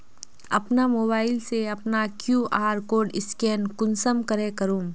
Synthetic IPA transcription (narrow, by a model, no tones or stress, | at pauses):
ɐpnamoːbaːɪlseɐpnakjuːʔaːɾkoːɖɪskɛːnkʊnsəmkɐɾẽkɐɾũː